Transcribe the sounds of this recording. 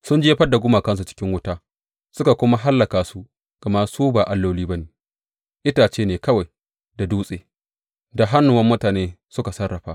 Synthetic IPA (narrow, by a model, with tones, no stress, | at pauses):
sʊ˦nd͡ʒeː˦ɸɐ˦dːa˨ɡʷʊ˦maː˨kɐ˦ns̬u˨t͡ʃɪ̥˦kʲɪ˦ŋwʊ˦taː˦ | sʊ˦ka˨kʷʊ˦ma˦ɦa˦lːɐ˨kaː˨su˦ | ɡ̥ɐ˨ma˦suː˦baː˨ʔa˨lːoː˦liː˦ba˦neː˨ | ʔɪ˦taː˨t͡ʃeː˦neː˨kɐ˦wa˨j | da˨duː˦sʼeː˨ | da˨ɦa˦nːʊ˨wɐ˦mːʊ˦taː˨neː˦sʊ˦ka˨sɐ˦rːɐ˨ɸaː˦